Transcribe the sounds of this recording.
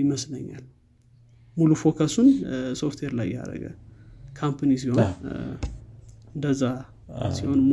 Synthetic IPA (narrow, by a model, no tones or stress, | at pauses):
jɪməsləɲːa̰l | mulufo̞kʰasunso̞ft̪ʰweɾlajːa̰ɾə̰ɡə̰kʰampʰanis̬iho̞n | ɨnd̪əzːa | siho̞nm